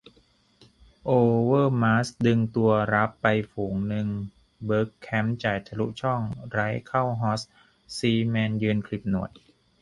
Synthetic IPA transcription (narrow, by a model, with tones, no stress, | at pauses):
ʔoː˧wɤː˥˩maː˦˥sdɯ˧ŋt̪u˧ɐɾa˦˥pːa˧jfuː˩˦ŋnɯ˧ŋ | bɤː˦˥kʰːɛ˦˥mt͡ɕaː˨˩jt̪ʰa˧lu˦˥ʔt͡ɕʰɔ˥˩ŋɾa˦˥jkʰa˥˩wɦɔː˦˥s | siː˧mɛː˧njɯː˧nkʰli˨˩p̚nu˨˩əj